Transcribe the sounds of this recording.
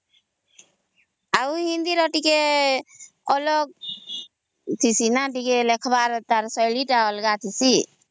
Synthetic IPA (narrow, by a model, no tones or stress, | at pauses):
auɦĩnd̪iɾɔʈike | ɔlɔɡ̚ | t̪ʰisinaʈ̬ikelekʰbaɾt̪aɾsɔjliʈaɔlɡat̪ʰisi